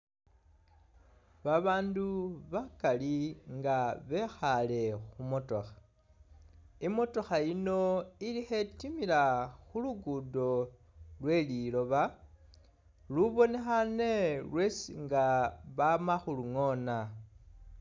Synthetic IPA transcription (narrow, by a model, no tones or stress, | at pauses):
βaβaːnduβakaliŋɡaβe̞xale̞xumo̞to̞̰xḁ | imo̞to̞xaino̞ilixe̞timilaxuluɡudo̞ | lwe̞lilo̞βa | luβo̞ne̞xane̞lwe̞siŋɡaβamaxuluŋo̞na